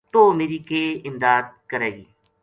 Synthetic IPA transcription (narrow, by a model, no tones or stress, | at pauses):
t̪oːmeːɾiːkeːɪmd̪aːd̪̚kəɾeːɡiː